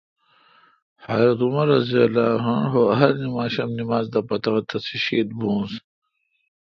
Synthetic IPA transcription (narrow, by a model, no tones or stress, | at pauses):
haːɾɐt̪umɐɾɐziɐlaːɦɐɳɦoɐɦɐɾnimaːɕɐmnimaːzd̪ɐpɐt̪ɐɣɐt̪ʰɐsiɕeːt̪̚bũːs